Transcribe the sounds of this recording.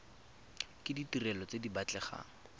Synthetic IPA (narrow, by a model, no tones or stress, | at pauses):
kɪditirɛlɔt͡sedibat͡ɬɛχa̰ːŋ̩